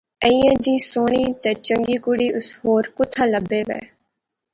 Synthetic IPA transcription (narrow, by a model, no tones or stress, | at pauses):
əiːãːd͡ʒiːsoːɳ̃iːt̪eːt͡ʃə̃ŋɡiːkʊɽiːʔʊshoːɾkʊt̪ʰːãːləbːeːʋḛː